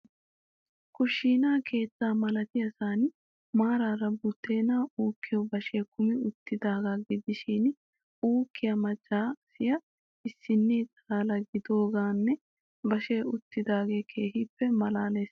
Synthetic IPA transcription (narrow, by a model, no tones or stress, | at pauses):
kʊʃːiːnaːkʰe̞ːt͡sːaːmɐlɐt̪ɪjɐsaːn | maːɾaːɾɐbʊt̪ːe̞ːnaːuːkːɪjɔbɐʃe̞ːkʊmɪʊt̪ːɪd̪aːɡaɡɪd̪ɪʃin | uːkːɪjɐmɐd͡ʒːaːsɪjɐ | ɪsːɪnːiːt̪ʼ | aːlɐɡɪd̪o̞ːɡaːnːɛ | bɐʃeːʔʊt̪ːɪd̪aːɡe̞ːkʰe̞ːhɪpːɛmɐlaːleːs